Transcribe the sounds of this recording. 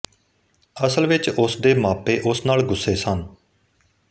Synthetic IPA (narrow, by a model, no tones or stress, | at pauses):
əsəlʋɪt͡ʃʊsd̪eːmaːpeːʔʊsnaːlɡʊsːeːsən